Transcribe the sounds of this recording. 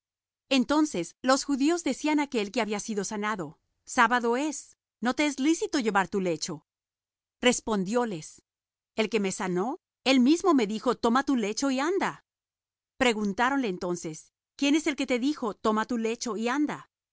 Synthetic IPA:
e̞nt̪o̞nse̞slo̞sxuðio̞zðe̞sianakelkeaβiasiðo̞sanaðo̞ | saβaðo̞e̞s | no̞t̪e̞ezlisit̪o̞ʝe̞βaɾt̪ule̞t͡ʃo̞ | re̞spo̞nd̪jo̞le̞s | e̞lke̞me̞sano̞ | e̞lmizmo̞me̞ðixo̞t̪o̞mat̪ule̞t͡ʃo̞iand̪a | pɾe̞ɣunt̪aɾo̞nleːnt̪o̞nse̞s | kje̞ne̞se̞lke̞t̪e̞ðixo̞t̪o̞mat̪ule̞t͡ʃo̞iand̪a

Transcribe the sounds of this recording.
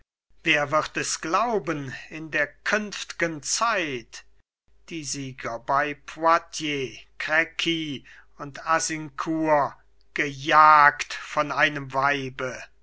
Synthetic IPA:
veːɐvɪʁtɛsɡ̥laʊbənɪndeːɐkʰʏnftɪ̥ɡənt͡saɪt | d̥iːziːɡɐbaɪpʰwatʰjekʁɛkʰi | ʊntazɪŋkʰuːɐ | ɡ̥əjaːktfɔnaɪnəmvaɪbə

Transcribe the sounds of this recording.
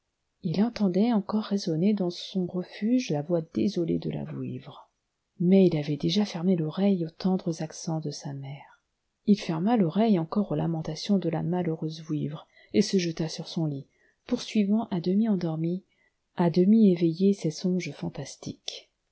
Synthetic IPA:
ilɑ̃t̪ɑ̃d̪ɛɑ̃kɔʁːezɔned̪ɑ̃sɔ̃ʁəfyʒlavwad̪ezɔlḛd̪ə̰la̰vwḭvʁ | mɛilavɛd̪eʒafɛʁmelɔʁɛjot̪ɑ̃d̪ʁəzaksɑ̃d̪əsamɛːʁ | ilfɛʁmalɔʁɛjɑ̃kɔʁola̰mɑ̃t̪asjɔ̃d̪əla̰maləʁøzvwivʁ | esəʒət̪asyʁsɔ̃li | puʁsɥivɑ̃ʔad̪əmiɑ̃d̪ɔʁmi | ad̪əmievejesɛsɔ̃ʒəfɑ̃t̪ast̪ik

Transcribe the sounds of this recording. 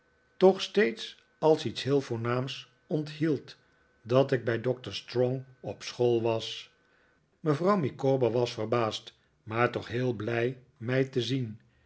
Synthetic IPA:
tɔχstejts | ɑlˠsitsɦɪːlˠvʊːɹnaːms | ɔntɦilˠt | dɑtɪɡ̚bɛjdɔk̚təɹstrɔŋɔpsχolˠʋɑs | məvrʌwmikoːbəʋɑsfərbaːst | maːɹtɔχɦɪːlˠblɛj | mɛjtəzin

